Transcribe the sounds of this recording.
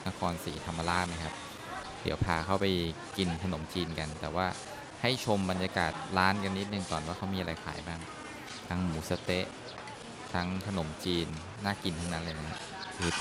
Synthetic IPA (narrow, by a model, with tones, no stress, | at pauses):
na˦˥kʰɔː˧nsiː˩˦t̪ʰa˧mːa˧laː˥˩ma˧˥˩kʰa˦˥p̚ | d̪ḭ˨˩˦wpʰaː˧kʰa˥˩wpa˧j | ki˧nt̪ʰa˧no˩˦mt͡ɕiː˧nka˧nt̪ɛː˨˩waː˥˩ | ha˥˩jt͡ɕʰo˧mba˧njaː˧ka̰ː˨˩t̪̚laː˦˥nka˧nːi˦˥t̪̚nɯ˨˧ŋt̪ɔː˨˩nwaː˥˩kʰa˦˩wmiː˧ʔa˧a˧jkʰa̰ː˩˦jbaː˥˩ŋ | t̪ʰa˦˥ŋmuː˩˦sa˧t̪e˦˥ʔ | t̪ʰa˦˥ŋt̪ʰa˧no˩˦mt͡ɕiː˧nː | aː˥˩ki˧nt̪ʰa˦˥ŋna˦˥laː˧na˦˥nɲḭ˧˥ | kʰɯː˧˩